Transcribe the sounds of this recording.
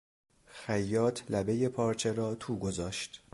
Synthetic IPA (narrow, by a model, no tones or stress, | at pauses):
xæjːɒːt̪ʰlæbeje̞pʰɒːɾt͡ʃʰeɾɒːt̪ʰuːɡo̞zɒːʃt̪